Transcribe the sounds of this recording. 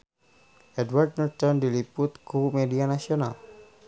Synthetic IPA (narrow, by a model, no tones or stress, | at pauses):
ʔɛdward̚nɔrt̪ɔndilipʊt̪̚kuumedianasiona̰l